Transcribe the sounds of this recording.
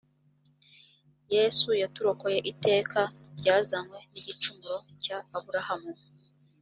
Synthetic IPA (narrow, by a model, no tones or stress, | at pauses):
je̞sujatuɾo̞ko̞je̞ʔite̞ːkʰa | ɾɟaːzamwe̞niɟit͡ʃumuɾo̞ | caːβuɾahamu